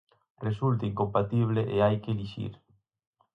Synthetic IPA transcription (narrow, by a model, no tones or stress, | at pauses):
result̪ɐiŋkompat̪iβ̞leʔeajkeliʃḭɾ